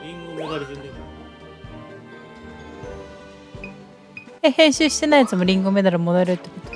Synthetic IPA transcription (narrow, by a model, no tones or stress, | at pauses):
ɾʲĩŋɡomd̪aɾ | ehẽ̞ɰ̃ɕɨːɕi̥t̪e̞naijat͡sɨmo̞ɾʲĩŋɡome̞d̪aɾamo̞d̪aɾɯt̪ːekot̪o